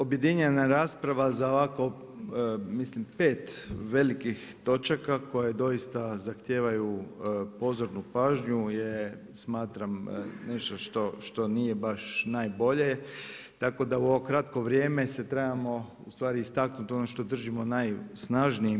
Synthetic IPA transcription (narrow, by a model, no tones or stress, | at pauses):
obje̞d̪iɲenaɾaːspɾaʋazaoʋako̞ | mislimpe̞ːt̪ʋe̞likixt̪o̞t͡ʃakako̞jed̪o̞jist̪azaxt̪je̞ːʋajupo̞zo̞ɾnupaːʒɲuje | smaːt̪ɾamneʃt̪o̞ʃt̪o̞ʃt̪o̞nijebaʃnajbo̞ʎe | t̪ako̞d̪auo̞ʋokɾat̪ko̞ʋɾjeːme̞set̪ɾebamo̞ | ust̪ʋaːɾiːst̪aknut̪o̞noʃt̪o̞d̪r̩ʒimo̞najsnaʒnii